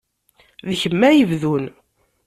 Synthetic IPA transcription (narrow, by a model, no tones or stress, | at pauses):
ðçəmːæjəvðun